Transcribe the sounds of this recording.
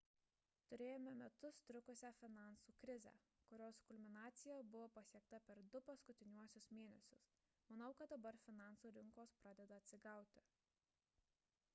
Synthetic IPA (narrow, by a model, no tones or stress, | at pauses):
t̪ʊɾʲeːjoːmʲɛmʲɛt̪ʊst̪ʲɾʲʊkʊsʲæfʲɪnɑˑnsuːkɾʲɪzʲæ̰ | kʊɾʲoːskʊlʲmʲɪnɑːt̪sʲɪjɛbʊʋoːpɐsʲiɛk̚t̪ɐpʲɛɾd̪ʊpɐskʊt̪ʲɪnʲuɔsʲʊsmʲeːnʲɛsʲʊs | mɐnɐʊkɐt̪̚d̪ɐbɐɾfʲɪnɑˑnsuːɾʲɪŋkoːspɾɑːd̪ʲɛd̪ɐːt̪ʲsʲɪɡɑˑʊt̪ʲɪ